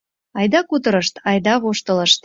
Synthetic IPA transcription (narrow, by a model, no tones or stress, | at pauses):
ɑjd̪ɑkut̪əɾəʃt̪ɑjd̪ɑβoʃt̪ələʃt̪̚